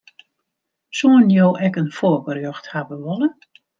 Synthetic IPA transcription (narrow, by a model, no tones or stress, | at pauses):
suənjowʔɛkənfoəkərjøxthabəʋɔlˠə